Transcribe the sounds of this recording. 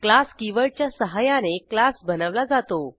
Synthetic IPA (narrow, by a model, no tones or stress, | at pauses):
klaskiʋəɭt͡ɕjasəɦajaneklasbənəʋlad͡zat̪o